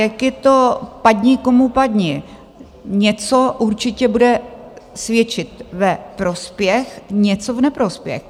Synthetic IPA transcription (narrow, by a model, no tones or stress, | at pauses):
jakjɛt̪opadɲɪkomupadɲɪ | ɲɛt͡soʔuɾt͡ʃɪcɛbudɛ | svjɛt͡ʃɪt̪vɛpɾospjɛxɲɛt͡sovnɛpɾospjɛ̰x